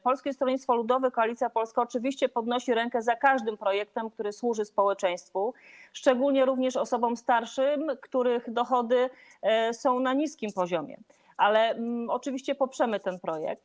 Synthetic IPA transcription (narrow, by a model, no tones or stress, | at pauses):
pɔlskʲist̪ɾɔɲit̪t̪fɔlud̪ɔvɛkɔalʲit̪sjapɔlskaɔt͡ʂɘvʲiɕt͡ɕɛpɔd̪nɔɕiɾɛŋkɛzakaʐd̪ɘmpɾɔjɛk̚t̪ɛmkt̪uɾɘswuʐɘspɔwɛt͡ʂɛ̃j̃st̪fuʂt͡ʂɛɡulɲɛɾuvɲɛʂɔsɔbɔmst̪aɾʂɘmkt̪uɾɘxd̪ɔxɔd̪ɘ | sɔ̃w̃naɲiskʲimpɔʑɔmʲjɛ̰ | ʔalɛɔt͡ʂɘvʲiɕt͡ɕɛpɔpʂɛmɘt̪ɛnpɾɔjɛ̰k̚t̪